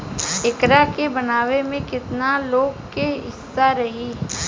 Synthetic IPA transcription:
ɪkɾakebɐnaːʋemẽkɪt̪naloːɡkeɦɪsːaɾɐɦiː

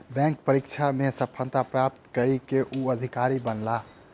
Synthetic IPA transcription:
bɛ̃ŋkpəɾikt͡ʃʰamesəpʰːə̃nt̪apɾap̚t̪kəɾikeʔuəd̪ʱikaɾibənla

